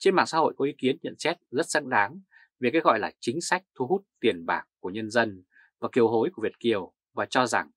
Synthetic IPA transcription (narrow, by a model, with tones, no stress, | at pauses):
t͡ɕe˧nma̰ː˧˨ŋsa̰˧˦ho̰˧˨jkɔ˨˦ʔi˨˦ki˨˦ənɲə̰˧˨nsɛ˦˥t̚zə˦˥t̚za̰ː˧˥ŋɗaː˨˦ŋ | ve˨˩kaː˨˦jɣɔ̰˧˨jlaː˨˩t͡ɕï˨˦ŋ̟sa˦˥jk̟̚t̪ʰu˧ɦu˦˥t̚t̪i˨˩ənɓa̰ː˧˩kku˧˩əɲə˧nzə˧n | vaː˨˩ki˨˩əwɦho˨˦jku˧˩əvi˨˩ət̚ki˨˩əw | vaː˨˩t͡ɕɔ˧za˨˩ŋ